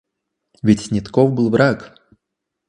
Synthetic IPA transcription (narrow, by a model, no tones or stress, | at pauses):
vʲit͡sʲsʲnʲɪt̪kɔwbɨlˠvɾak